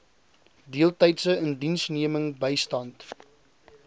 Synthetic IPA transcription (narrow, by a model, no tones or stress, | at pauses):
diəlˠtəjtsəəndinsniəməŋbəjstɐnt